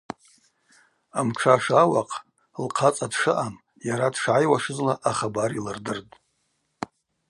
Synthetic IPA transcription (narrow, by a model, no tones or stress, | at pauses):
amʈ͡ʂʰaʂawaqʼ | lqʰat͡sʼadʂɨʔam | jaɾadʂʕajwaʂɨzlaʔaχabaɾilɨrdɨrtʼ